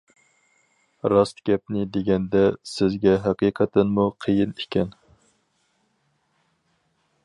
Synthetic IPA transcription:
ɾɑst̪ɡ̥ʲɛp̚nɪd̪eɡʲɛnd̪ɛsɪzɡʲɛɦæqiqʰɛt̪ɨnmuqʰəjinekʲɛn

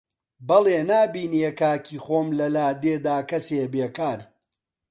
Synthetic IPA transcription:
bɐleːnaːbiːnekaːkʰiːxoːmlɐlaːd̪eːd̪aːkɐseːbeːkaːɾ

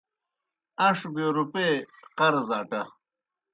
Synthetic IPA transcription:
ɐʂbeːɾupeːt̪qɐɾzaːʈɐ

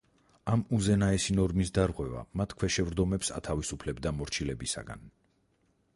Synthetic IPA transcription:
amuzɛnaɛsinɔɾmisd̪aɾʁwɛva̰mat̪ʰkʰwɛʃɛvɾd̪ɔmɛpsa̰t̪ʰavisupʰlɛbd̪amɔɾt͡ʃʰilɛbisa̰ɡa̰n

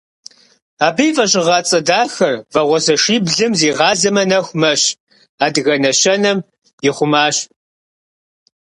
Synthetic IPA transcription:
aːbɐjvɐɕʼɪʁɑt͡sʼɐdaːxɐrvɐʁʷɔzɐʂiːbɮɨmziːʁɑːzɐmɐnɐxʷmɐɕ | aːdɣɐnɐɕɐnɐm | jɪχʷʊmaːɕ

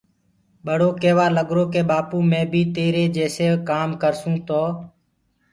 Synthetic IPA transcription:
ɓəɽ̤oːkeːʋaːləɠɾoːkeːɓaːpũːmẽːbʱiːt̪eːɾeːd͡ʒeːseːkaːmkəɾsũːt̪oː

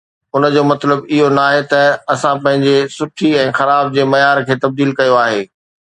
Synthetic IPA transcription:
ʊnə̆d͡ʑoːmɐt̪ləbɪɦonaːɦet̪ɐɐsãpɐ̃ɦɪ̃ɲd͡ʑesʊʈʰiɛ̃ːxɐɾaːb̚d͡ʑeːmɐjaːɾkʰeːt̪ɐb̚d̪iːlkɐjoaːɦeː

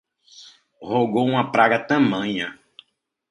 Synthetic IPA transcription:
hoɡowũmɐpɾaɡɐt̪ɐ̃mɐ̃ɲɐ

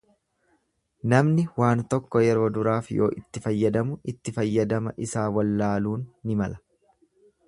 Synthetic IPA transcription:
nɐmnɪwaːnt̪ɔkːɔjɛɾːd̪ʊɾaːfjo̞̰ːʔɪt̪ːɪfɐjːɐd̪ɐmʊɪt̪ːɪfɐjːɐd̪ɐmɐʔɪsaːwɐlːaːluːnːɪmɐlɐ̥

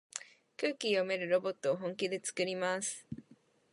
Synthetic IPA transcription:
kɯ̟ːkʲijo̞me̞ɾɯ̟ɾo̞bo̞t̪ːo̞ːɦõŋkʲid̪e̞t͡sɨ̥kɯ̟ɾʲimasɨ̥

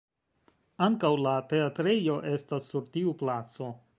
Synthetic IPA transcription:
aŋkawlate̞atɾe̞jo̞ʔe̞stasːuɾtiuplat͡so̞

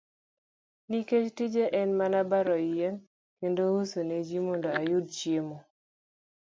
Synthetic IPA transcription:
niket͡ʃtid͡ʒeʔɛnmanabaɾɔjen | kendousoned͡ʒimɔndoajʊd̚t͡ʃjemo

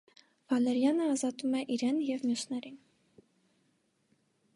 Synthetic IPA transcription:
vɑlɛɾjɑnəɑzɑt̪umɛʔiɾɛnjɛvmjusnɛɾin

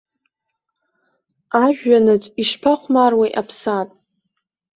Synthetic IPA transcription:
aʒᶣːanɨt͡sʼiʂpʰaχʷmarwejʔapʰsatʼ

